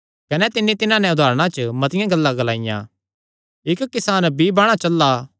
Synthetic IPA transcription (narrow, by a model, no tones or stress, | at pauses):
kɐnɛt̪ɪnːit̪ɪnãnɛʊd̪ʱaːɾə̃ɽ̃ãt͡ʃəmɐt̪ɪjãɡɐlːaɡɐlaːɪjã̰ | ɪkːɪsaːnbʱibɐɽ̃at͡ʃɐlːa